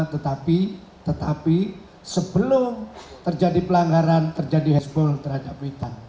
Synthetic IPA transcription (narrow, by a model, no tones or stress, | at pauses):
t̪ət̪api | t̪ət̪api | səbəlʊmt̪ərd͡ʒadipəlaŋɡaɾant̪ərd͡ʒadiɦɛsbɔlt̪ərɦadap̚wit̪an